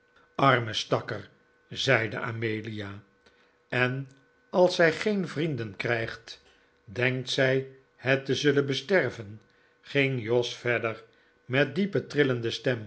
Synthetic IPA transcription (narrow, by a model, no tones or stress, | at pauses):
ɑɹməstɑkər | zɛjdə̰ʔa̰mejlijaː | ɛn | ɑlˠsɛjχejnvrindənkrɛjχt | dɛŋk̚tsɛj | hɛtəzɵlənbəstɛrvən | χɪŋjɔsfɛɹdəɹ | mɛt̚dipətrɪləndəstɛm